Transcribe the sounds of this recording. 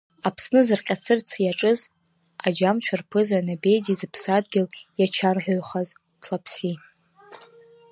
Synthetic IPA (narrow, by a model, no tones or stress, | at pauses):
apʰsnɨzɨrqʲʼasʰɨrt͡sʰjaʈ͡ʂʼɨz | ad͡ʒamt͡ʃʷʰarpʰɨzanabe̞jdizɨpʰsadɡʲɪljat͡ʃʰarħʷoɥχaz | tʰlapʰsi